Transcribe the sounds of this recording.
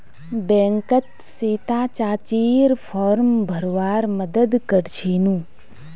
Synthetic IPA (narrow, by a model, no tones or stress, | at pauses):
bɛ̃ŋkət̪ | seːt̪aːt͡ʃaːt͡ʃiːɾfʰoːɾmbʱəɾʋaːɾməd̪əd̪kəɾt͡ʃʰinũː